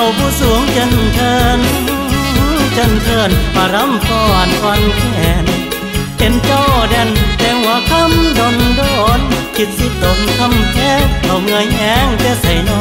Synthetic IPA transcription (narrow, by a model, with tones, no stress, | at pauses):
ʔa˧˩wpʰuː˧˩su˨˦əŋt͡ɕɤ˧˥˨nt̪ʰɤː˧nɯː˧ɯ˧˥t͡ɕɤ˧˨nt̪ʰɤː˧˩npaː˧˩ɾa˧˥mfɔː˧˩a˨˩nkʰa˧˥nkʰɛː˨˦n | pe˨˦nt͡ɕɔ˧˩dɛ˧˩nt̪ɛː˧˩hu˨˦ɐkʰa˧˥mdo˧ndɔː˧˩nkʰi˧˥t̪̚si˧˩t̪o˨˦mk̪ʰa˧˥˨mkʰɛː˧˥˩kʰa˧˩wŋɯ˧jʔɛː˨˧˥ŋt̪ɛː˧˩sa˨˦jnɔ˧˦